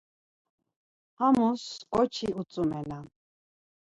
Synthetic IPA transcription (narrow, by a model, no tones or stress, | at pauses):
hamuskʼɔt͡ʃʰiut͡sʼumɛna